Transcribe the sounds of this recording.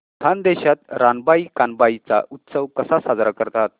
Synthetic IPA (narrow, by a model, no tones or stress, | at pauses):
t̪ʰand̪eɕat̪ɾanbaikanbait͡sa̰ʔut̪səʋkəsasad͡zɾakəɾt̪at̪̚